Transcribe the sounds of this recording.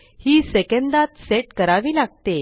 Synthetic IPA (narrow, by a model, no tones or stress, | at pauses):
hiːsekənd̪at̪seʈkəɾaʋiːlaɡ̚t̪e